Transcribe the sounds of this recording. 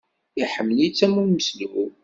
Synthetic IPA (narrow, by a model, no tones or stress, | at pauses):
iħəmːəlit͡sːæmunməsliu